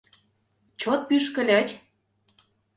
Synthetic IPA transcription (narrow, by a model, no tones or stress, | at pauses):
t͡ɕot̪̚pyʃkə̆lʲætʲ